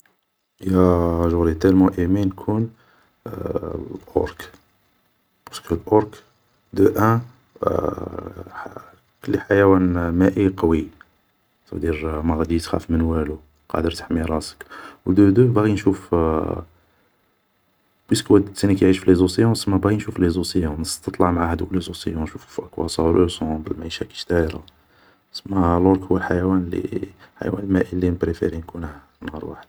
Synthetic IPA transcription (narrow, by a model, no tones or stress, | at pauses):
jæʒʊɣɾit̪ælmuʔiminkʰun | lʔɔ̰ɾk | b̥ɑskəlʔɔɾk | d̪əʔæ̃ | kəlːiħajæwænmæʔiqɑwi | t̪ɑbd̪iɾmæɣæd̪it̪xæ̰fmənwælu | qɑ̰d̪əɾt̪ḁħmiɾˤɑsə̥kwd̪əd̪əbaɣinʃuf | bwiskwæd̪sænikjʕiʃfilezusejɔ̃səmːæbɣinʃuflezusejɑ̃nəst̪ɑt̪ˤlɑʕmʕahæd̪uklezusḛjɔ̃nʃuffʔəkwɑ̰sˤɑwlʔəsɑ̃bəlmaʕiʃæki̥ʃt̪æjɾˤɑ̰ | səmːæloɾkhuwːəlħajwænlḭħa̰j̰wænəlmæʔilːinpɾefḛɾinkun | nhə̰ɾˤwa̰ħəd̪